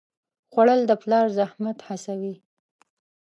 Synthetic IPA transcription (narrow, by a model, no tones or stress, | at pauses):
xwaɽəld̪əplɑɾzahmat̪hasawi